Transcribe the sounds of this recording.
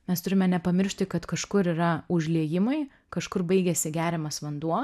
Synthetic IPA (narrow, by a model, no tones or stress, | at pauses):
mʲɛst̪ʊɾʲɪmʲɛnʲɛpɐmʲɪɾʲʃʲt̪ʲɪkɐt̪kɐʃkʊɾiːɾɐʊʒʲlʲiɛjɪmɐɪ | kɐʃkʊrbɐɪɡʲɛsʲɪɡʲæːɾʲɛmɐsʋɐnd̪uɔ